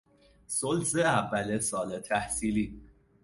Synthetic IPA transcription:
solzeævːælesɒːlet̪ʰæhsiːliː

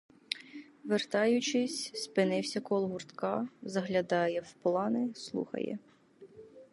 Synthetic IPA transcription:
ʋert̪ɑjʊt͡ʃɪsʲspɪnɪwsʲɐkɔlˠɦʊrt̪kɑzɐɦlʲɐd̪ɑjɛwplˠɑnɪslˠṵxɐ̰jɛ̰

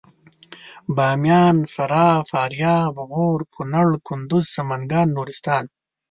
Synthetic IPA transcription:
baːmjaːnfɐɾaːfaːɾjaːbɐɣoːɾkʰʊnɐɭkʰʊnd̪uzsɐmɐŋɡaːnːuːɾist̪aːn

